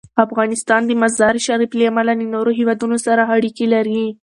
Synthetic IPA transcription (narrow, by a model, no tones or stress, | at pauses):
afɣɑnɪst̪ɑnd̪əmazd̪ɑɾʃaɾibleamalanənoɾoɦewɑd̪unosaɾaaɽikelaɾi